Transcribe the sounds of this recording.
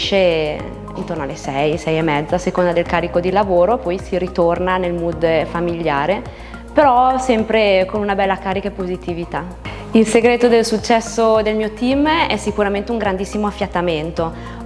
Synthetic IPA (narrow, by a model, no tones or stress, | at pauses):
ʃe | ḭnt̪ornoalesɛjsɛjemːɛd̪zːasekond̪ad̪elkaːɾikod̪ilavoːɾopɔjsiɾit̪ornanelmud̪famiʎjaːɾe | peɾɔsɛmpɾekonunabɛlːakaːɾikaepozit̪ivit̪a | ilseɡɾeːt̪od̪elsut͡ʃːɛsːod̪elmiːot̪imɛsikuɾament̪euŋɡɾand̪isːimoafːjat̪ːament̪o